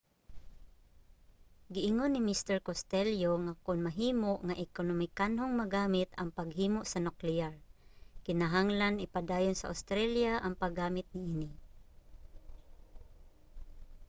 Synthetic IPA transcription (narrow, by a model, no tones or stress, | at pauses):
ɡɪʔɪŋonːimist̪ɛɹkost̪ɛljoŋakʊnmaɦiːmoʔŋaʔɪkonomɪkanɦʊŋmaɡaːmɪt̪a̰ŋpaɡɦiːmoʔsanʊklɪaɹkɪnaɦaŋlanɪpadaːjʊnsaʔa̰wst̪ɾɛljaʔaŋpaɡaːmɪt̪̚nɪʔiːni